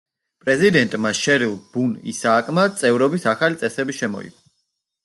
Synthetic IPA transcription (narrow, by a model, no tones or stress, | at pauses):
pʼɾɛzid̪ɛnt̪ʼmaʃɛɾilˠb̥unḭsaːkʼmat̪sʼɛvɾɔbisaχalit̪sʼɛsɛbiʃɛmɔ̰ḭk